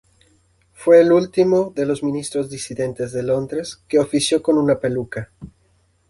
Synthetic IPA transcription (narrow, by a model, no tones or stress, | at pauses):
fweːlult̪imoðelozmĩnist̪ɾozðisiðent̪ezðelond̪ɾeskeofisjokonunapeluka